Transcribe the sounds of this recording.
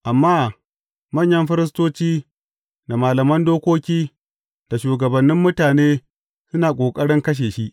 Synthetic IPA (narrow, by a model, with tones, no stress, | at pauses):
ʔa˨mːaː˦ | mɐ˦˨ɲjɐ˦mɸɪ˦ɾɪ˦s̬toː˦t͡ʃiː˦ | da˨maː˨lɐ˨mɐ˦ndoː˦kʷoː˦kʲiː˦ | d̥a˨ʃuː˨ɡɐ˨bɐ˨nːɪ˦mːʊ˦taː˨neː˦ | sʊ˦naː˨kʷʼoː˨kʼɐ˦ɽɪ˦ŋkɐ˦ʃ̬eː˨ʃi˦ʔ